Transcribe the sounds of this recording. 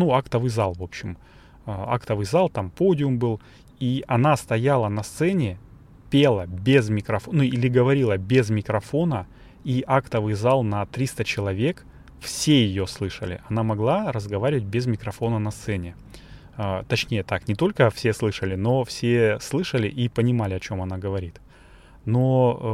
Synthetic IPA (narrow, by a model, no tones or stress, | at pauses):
nuakt̪əvɨjzalˠvo̞pɕːɪm | əa̰kt̪əvɨjzalˠt̪ampo̞dʲɪʊmbɨlˠ | iʔɐnast̪ɐjalˠənɐst̪sɛnʲɪ | pʲelˠəbʲezmʲɪkɾɐfnuilʲɪɡəvɐɾʲilˠəbʲɪzmʲɪkɾɐfo̞nə | iʔakt̪əvɨjzalˠnɐt̪ɾʲist̪ət͡ɕɪlˠɐvʲe̞k | fsʲe̞jɪjoslˠɨʂə̰lʲɪ̰ʔɐnamɐɡlˠaɾəzɡɐvaɾʲɪvət̚ʲbʲɪzmʲɪkɾɐfo̞nənɐst̪sɛnʲɪ | ət̪ɐt͡ɕnʲejət̪aknʲɪt̪o̞lʲkəfsʲe̞slˠɨʂəlʲɪno̞fsʲeslˠɨʂəlʲɪʔipənʲɪmalʲɪɐt͡ɕo̞mɐn̪aɡəvɐɾʲit̪ | no